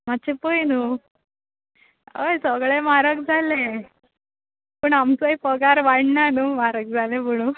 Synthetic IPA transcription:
mat̪ːt͡ɕʰepəjnu | əjsəɡɭemaɾək̚d͡zʱale | pəɳamt͡səipəɡaɾʋaɽnanumaɾək̚d͡zʱaleməɽ̃u

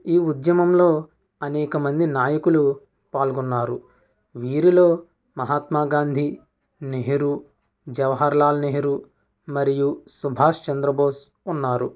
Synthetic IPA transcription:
iːud̪jɐmɐmlo̞ː | ɐnɛːkɐmɐnd̪inaːjɐkulu | paːlɡunːaːɾu | ʋiːɾilo̞ː | mɐɦaːt̪maːɡaːnd̪ʱi | neɦiɾu | d͡ʒɐʋɐɦɐɾlaːlɐneɦiɾu | mɐɾijusubʱaːʂt͡ʃɐnd̪ɾɐboːs | unːaːɾu

